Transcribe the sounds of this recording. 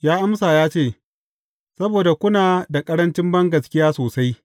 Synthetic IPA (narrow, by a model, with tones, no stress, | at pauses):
jaː˦ʔa˦msaː˨jaː˦t͡ʃeː˦˨ | sɐ˦boː˨da˨kʷʊ˦naː˨da˨kʼɐ˦ɽɐ˦nt͡ʃɪ˦mbɐ˦ŋɡɐ˨skʲɪ˦jaː˦soː˨sa˦j